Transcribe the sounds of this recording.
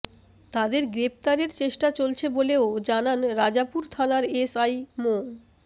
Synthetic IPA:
t̪ad̪eɾɡɾep̚t̪aɾeɾt͡ɕeʃʈat͡ɕolt͡ɕʰeboleod͡ʑananɾad͡ʑapuɾt̪ʰanaɾesajmon

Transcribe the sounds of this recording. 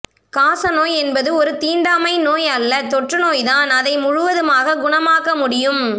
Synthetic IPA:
kaːsɐnoːjɛnbɐðɯɔɾɯt̪iːɳɖaːmɐɪnoːjɐlːɐt̪ɔʈrɯnoːjðaːnɐðɐɪmʊɻʊʋɐðɯmaːɣɐɡʊɳɐmaːkɐmʊɽɪjɯm

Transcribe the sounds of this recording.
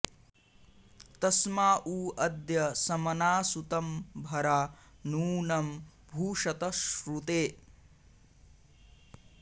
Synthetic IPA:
t̪ɐsmaːʔuːɐd̪jɐsɐmɐnaːsut̪ɐmbʱɐɾaːnuːnɐm | bʱuːʂɐt̪ɐʃɾut̪eː

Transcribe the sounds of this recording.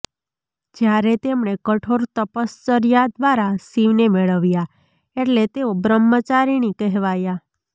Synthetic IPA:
d͡ʒjaɾet̪emɳekəʈʰoɾt̪əpəst͡ʃəɾijad̪ʋaɾasiʋnemeɭəʋja | eʈlet̪eobɾəmːət͡ʃaɾinikɛɦʋaja

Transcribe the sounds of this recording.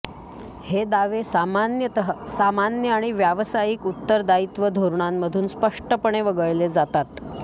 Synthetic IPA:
hed̪aʋesamanjəsamanjəaɽ̃iʋjaʋsajiːkut̪ːəɾd̪ait̪ʋəd̪ʱoɾɳamːəd̪ʱuːnspəʂʈəpəɳ̃eʋəɡəɭled͡zat̪at̪

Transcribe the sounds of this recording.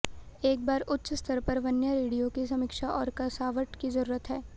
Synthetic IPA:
eːk̚baːɾʊtːʃst̪ʰəɾpɐɾʋɐnjəɾeːɽijokis̬ɐmɪkʃaʔɔːɾkɐsaːʋəʈkizɐɾuːɾət̪ɦɛː

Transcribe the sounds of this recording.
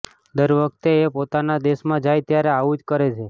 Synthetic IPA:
d̪əɾʋək̚t̪eːpot̪anad̪eʃmãd͡ʒajt̪jaɾeaʋud͡ʒkəɾet͡ʃʰe

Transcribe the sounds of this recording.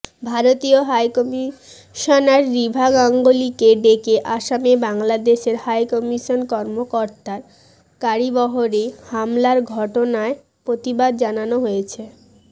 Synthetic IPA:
bʱaɾot̪ioɦajkɔmi | ʃonaɾːibʱaɡaŋɡolikeɖekeʔaʃamebaŋlad̪eʃeɾhajkɔmiʃonkɔɾmokoɾt̪aɾ | kaɾibɔɦoɾehamlaɾɡʱɔʈonae | pɾot̪ibad̪̚d͡ʑananoɦojet͡ɕʰe

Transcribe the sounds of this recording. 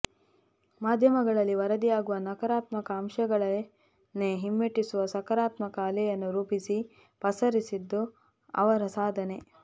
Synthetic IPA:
maːd̪ʱjɐmɐɡɐɭɐlːiʋɐɾɐd̪ijaːɡuʋɐnɐkɐɾaːt̪mɐkɐːmʃɐɡɐɭɐ | nːeɦimːeʈːisuʋɐsɐkɐɾaːt̪mɐkaːlɛjɐnːuɾuːpisi | pɐsɐɾisid̪ːu | ɐ̰ʋɐɾɐsaːd̪ʱɐne̞

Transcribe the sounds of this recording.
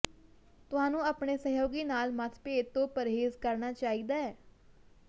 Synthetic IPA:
t̪ʊɦaːnũːəːpɳeːsəɦoːɡiːnaːlmət̪ʰpeːt̪õːpəɾɦeːzkəɾnaːt͡ʃaːid̪aːɛː

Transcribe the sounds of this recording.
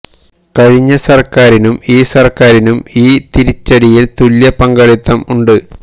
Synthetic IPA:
kɐɻiɲːɐsɐrkaːɾinumiːsɐrkaːɾinumiːt̪iɾit͡ɕːɐɽijilt̪uljɐpɐŋɡɐɻit̪ːɐmuɳɖɨ

